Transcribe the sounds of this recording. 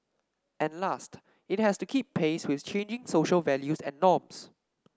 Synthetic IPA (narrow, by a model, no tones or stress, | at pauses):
ʔɛ̃nlast | ɪt̚hɛstukʰippʰːeswɪθt͡ʃʰẽnd͡ʒɪ̃ŋsoʃəlvɛljusɛ̰̃nːɔ̃ms